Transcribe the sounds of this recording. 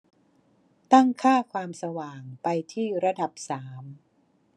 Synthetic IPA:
t̪a˥˩ŋkʰaː˥˩kʰwaː˧msa˧waː˨˩ŋpa˧jt̪ʰiː˥˩ɾa˧da˨˩p̚saː˩˦m

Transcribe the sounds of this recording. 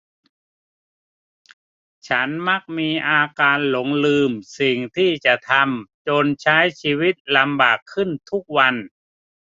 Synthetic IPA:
t͡ɕʰa˦˥nma˦˥˩k̚miː˧ʔaː˧kaː˧nlo˩˦ŋlɯː˧msi˨˩ŋt̪ʰiː˥˩t͡ɕa˨˩t̪ʰa˧mt͡ɕo˧nt͡ɕʰa˦˥jt͡ɕʰiː˧wi˦˥t̪̚la˧mbaː˨˩kʰːɯ˥˩nt̪ʰu˦˥k̚wa˧n

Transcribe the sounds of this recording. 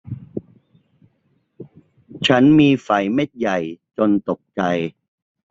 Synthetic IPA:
t͡ɕʰa˦˥nmiː˧fa˨˩jme˥˩t̪̚ja˨˩jt͡ɕo˧nt̪o˨˩k̚t͡ɕa˧j

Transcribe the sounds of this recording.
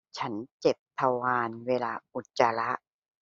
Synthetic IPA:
t͡ɕʰa˦˥nt͡ɕe˨˩p̚t̪ʰa˧waː˧nweː˧laː˧ʔu˨˩t̪̚t͡ɕa˧la˦˥ʔ

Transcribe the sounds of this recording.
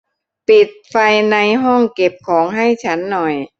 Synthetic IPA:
pi˨˩t̪̚fa˧jna˧jɦɔ˥˩ŋke˨˩p̚kʰɔː˩˦ŋɦa˥˩jt͡ɕʰa˦˥nːɔ˨˩j

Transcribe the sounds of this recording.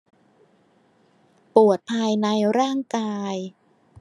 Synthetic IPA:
pu˨˩ət̪̚pʰaː˧jna˧jɾaː˥˩ŋkaː˧j

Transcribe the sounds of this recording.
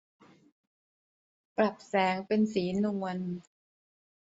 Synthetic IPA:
pɾa˨˩p̚sɛː˩˦ŋpe˧nsiː˩˦nu˧ən

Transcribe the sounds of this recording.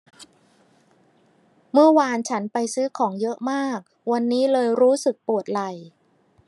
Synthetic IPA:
mɯ˥˩əwaː˧nt͡ɕʰa˦˥npa˧jsɯː˦˥kʰɔː˩˦ŋjɤ˦˥ʔmaː˥˩k̚ | wa˧nːiː˦˥lɤː˧jɾuː˦˥sɯ˨˩k̚pu˨˩ət̪̚la˧j

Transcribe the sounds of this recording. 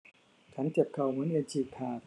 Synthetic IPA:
t͡ɕʰa˦˥nt͡ɕe˨˩p̚kʰa˨˩wmɯ˨˦˥nʔɯ˧nt͡ɕʰiː˨˩k̚t̪ʰaː˨˩t̪̚

